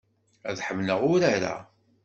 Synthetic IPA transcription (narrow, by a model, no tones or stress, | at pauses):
æðħəmnəʁʊɾaɾa̰